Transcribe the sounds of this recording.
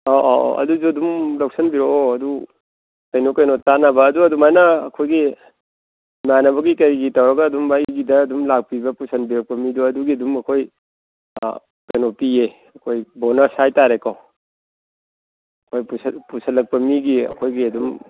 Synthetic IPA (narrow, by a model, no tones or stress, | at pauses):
oʔɐ̰duzuɐdumlak̚sɐnbiɾoɐdu | kɐjnokɐjnotanɐbɐːduɐdumajnɐːkʰojɡi | manɐbɐɡikɐɾiɡitawɾɐɡɐːdumbajɡidɐːdumlak̚pibɐpusɐnbiɾɐk̚pɐmiduɐduɡiɐdumɐkʰoj̰ | kɐjnopie | ɐkʰojbonɐsajtaɾekaw | ɐkʰojpuspusɐlɐk̚pɐmiɡiɐ̰kʰojɡiɐdum